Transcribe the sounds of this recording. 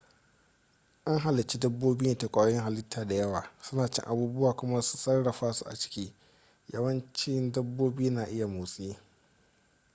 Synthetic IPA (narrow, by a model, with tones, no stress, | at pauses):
ʔa˦ŋɦa˨lɪ˨t͡ʃi˦dɐ˦bːoː˦bɪ˦neː˨ta˨kʷʼaː˨˦jɪ˦ŋɦa˨lɪ˦tʰːaː˨da˨jɐ˦waː˨sʊ˦naː˨t͡ʃɪ̰˦ŋʔa˦buː˦bʊ˦waː˨kʷʊ˦ma˦su̥˦sɐ˦rɽɐ˨ɸaː˦su˦ʔa̰˨t͡ʃɪ̥˦kʲiː˦ | jɐ˦wɐ˦nt͡ʃɪ˦ndɐ˦bːoː˦bɪ˦i˦naː˨ʔɪ˦ja˨moː˨sʼeː˦